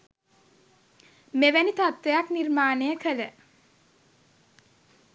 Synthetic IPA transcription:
meʋænit̪at̪ʋejaknirmaːnəjəkʰələ

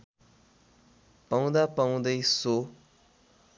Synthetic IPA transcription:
paw̃d̪apaw̃d̪ʌjso

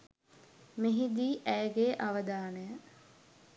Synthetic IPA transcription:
meɦid̪iːʔæjəɡeːʔaʋəd̪aːnəjə

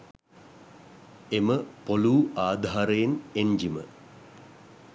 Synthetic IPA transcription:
eməpoluːaːd̪ʱaːɾəjeneɲd͡ʒimə̰

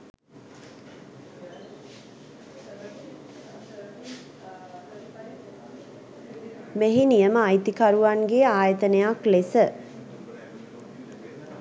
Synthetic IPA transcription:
meɦinijəməajt̪ikaɾuʋaŋɡeaːjət̪ənejaklesə

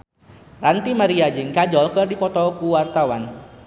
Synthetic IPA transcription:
rant̪imaɾiad͡ʒɪŋkad͡ʒɔlkərdipɔt̪ɔkuwart̪awan

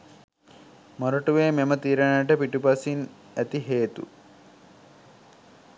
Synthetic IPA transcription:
moɾuʈuʋeːmemət̪iːɾənaʈəpiʈupɐsin | æt̪iɦeːt̪ṵ

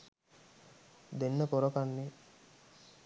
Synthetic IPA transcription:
d̪enːəpoɾokanːi

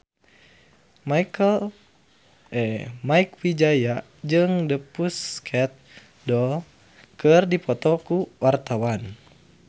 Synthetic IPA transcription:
maikəl | ʔɛmaikwid͡ʒaja | d͡ʒɨŋdəpuskʰɛt̪̚ | dɔl | kɨrdipɔt̪ɔkuwart̪awan

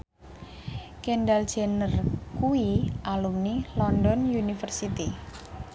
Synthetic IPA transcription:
kenɖald̥d͡ʒ̥ɛnərkuiʔalumnilɔnɖɔnjunifərsit̪i

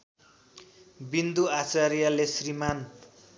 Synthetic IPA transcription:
bind̪uat͡saɾijalesriman

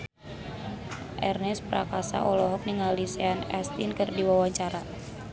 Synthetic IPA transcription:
ʔɛrnɛspɾakasa̰ʔɔlɔɦɔk̚niŋallisɛanɛst̪inkərdiwawaɲt͡ʃaɾa

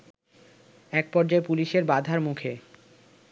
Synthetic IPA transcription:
ɛk̚pɔɾd͡ʑaepuliʃeɾbad̪ʱaɾmukʰe

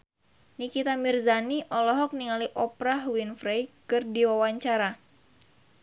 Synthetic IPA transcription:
nikit̪amirzaniʔɔlɔɦɔk̚niŋaliʔɔpɾaɦwinfɾejkɨrdiwawaɲt͡ʃaɾa

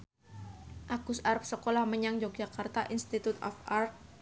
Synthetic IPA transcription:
ʔakusarp̚səkolahməɲaŋd͡ʒɔk̚d͡ʒakart̪aʔinst̪it̪ut̪ɔ̰fart̪̚

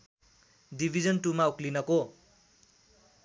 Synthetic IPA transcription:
dibʱid͡zʌnʈumauklinʌko

